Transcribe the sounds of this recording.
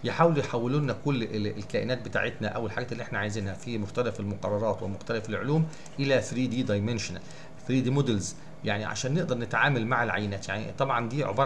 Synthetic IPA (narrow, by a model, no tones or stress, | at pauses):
jeħaːweljħawːeluːnækolːeelkæʔenæːt̪̚bet̪a̰ːʕet̪næʔæwelħaɡæːt̪elːiʔeħnæʕajzenhæfimoxt̪ælæfelmoqɑrˤːɑɾˤɑːt̪wemoxt̪ælæfelʕoluːm | ʔelæfɾiːd̪iːd̪ɑjmenʃonæ̰l | fɾiːd̪iːmod̪elz | jaʕniʕa̰ʃæːnːeʔd̪ɑɾˤnet̪ʕaːmælmaʕelʕa̰jːenæːt̪jaʕnḭt̪ˤɑbʕɑnd̪iːʕo̰bɑɾˤ